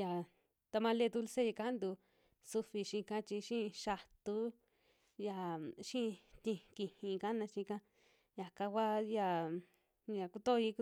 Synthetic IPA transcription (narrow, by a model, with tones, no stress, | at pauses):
ja˨ | t̪a˧mã˧le˦˧d̪u˧lse˦i˧ka˦nd̪u˧ | su˧fi˧ʃĩ˧kã˦˧t͡ʃi˧ʃĩ˦˧ʃa˧t̪u˦ | ja˧˨ʃĩ˦˧t̪ĩ˧ki˧˨hĩ˧ka˦nã˧ʃĩ˧kã˦ | ja˨ka˧kʷa˦ja˧ | ja˨ku˧t̪o˦˧i˧